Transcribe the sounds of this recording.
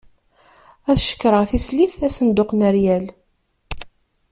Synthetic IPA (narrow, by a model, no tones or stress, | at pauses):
æθʃə̥kːɾəʁθisliθæsənd̪ʊqnəɾjæl